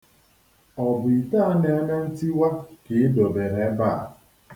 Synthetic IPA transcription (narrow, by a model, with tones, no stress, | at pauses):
ɔ˨bʊ˨i˨ta˦a˦ne˨˦me˦n̩˦ti˦wa˦ke˨˦do˨be˨ɾe˨˦ba˦˨